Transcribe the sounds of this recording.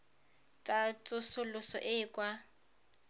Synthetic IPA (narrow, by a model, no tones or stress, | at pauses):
tʼat͡sʼʊsʊlʊsɔ̰ʔɪːkʼwa